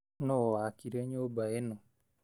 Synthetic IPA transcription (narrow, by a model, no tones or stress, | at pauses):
nowakiɾeɲobaeno